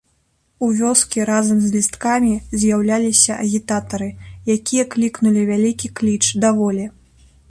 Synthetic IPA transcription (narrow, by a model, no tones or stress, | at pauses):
uvʲɔskʲiɾazɐmzʲlʲist̪kamʲizʲjawlʲalʲisʲɐʔɐɣʲit̪at̪ɐɾɨjakʲijɐklʲiknulʲivʲalʲikʲiklʲit͡ʂd̪avɔlʲɛ